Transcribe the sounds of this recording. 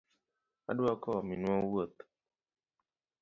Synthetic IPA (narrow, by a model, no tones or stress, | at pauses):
a̰duakɔaminũɔwuət̪